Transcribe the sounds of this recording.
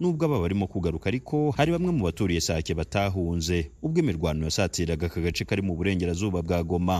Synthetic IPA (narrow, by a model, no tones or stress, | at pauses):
nuːbɡaβaβaɾimo̞kuɡaɾukaːɾikʰo̞haɾiβamŋe̞muβatuːɾije̞saceβataːɦuːnze̞ubɡiːmiɾɡwaːnojasaːtiːɾaɡakaɡat͡ʃe̞kaɾimuβuɾe̞ːŋɟe̞ɾazuːβabɡaːɡo̞ma